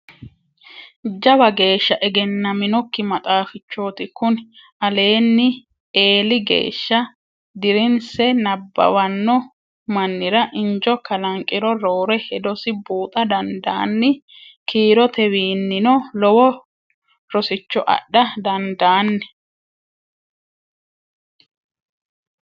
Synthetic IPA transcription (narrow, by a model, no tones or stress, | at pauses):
d͡ʒɐbɐɡe̞ːʃːɐʔɛɡɛnːɐmɪnɔkːɪmɐt̪ʼaːfɪt͡ʃːoːt̪ɪkʊn | ɐle̞ːnːɪ | eːlɪɡḛːʃːɐ | d̪ɪɾɪnsɛnɐbːɐ̰wɐnːɔ | mɐnːɪɾɐʔɪnd͡ʒɔkɐlɐŋkʼːɪɾɔɾo̞ːɾɛhɛd̪ɔsɪbuːt̪ʼɐd̪ɐnd̪a̰ːnːɪkʰiːɾɔt̪ɛwiːnːɪnɔlɔwɔ | ɾɔsɪt͡ʃːɔʔɐ̰ɗːɐd̪ɐnd̪aːnːɛ̥